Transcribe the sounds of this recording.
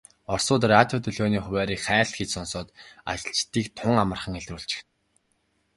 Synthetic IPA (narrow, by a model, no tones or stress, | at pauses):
ɔr̥sʊːt̪̬rat̪ʲjɔt̪ʰɵɮoːniːχʊwʲæːɾiːkχæːɮt̪xet͡ɕsɔnsʊːt̪ă̰ɬt͡ɕt̪iːkt̪ʰʊŋamə̆rχə̆ŋeɮruːɮt͡ɕɪ̥̆x